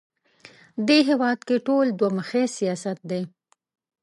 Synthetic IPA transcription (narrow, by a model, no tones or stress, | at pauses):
d̪eɦewɑd̪keʈold̪waməxesijɑsat̪̚d̪e